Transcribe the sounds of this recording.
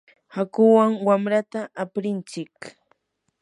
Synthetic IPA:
hakʊwaŋwamɾat̪aʔapɾɪnt͡ʃɪk

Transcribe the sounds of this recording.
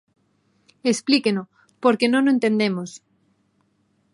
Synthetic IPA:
esplikeno | poɾkenõnoent̪end̪emos

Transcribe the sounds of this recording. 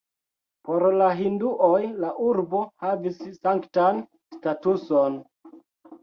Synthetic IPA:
po̞ɾlaɦinduʔojlaʔuɾbo̞havisːaŋktan | statuso̞n

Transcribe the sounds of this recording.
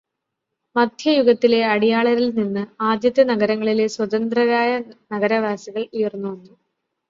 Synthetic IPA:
mɐd̪ʱjɐjuɡɐt̪ːile̞ɐɽijaːɭɐɾilninːɨaːd̪jɐt̪jɐnɐɡɐɾɐŋːɐɭileswɐd̪ɐnd̪rɐɣaːjɐnɐɡɐɾɐʋaːsɐɣɐɭujɐrnːuʋɐnːu

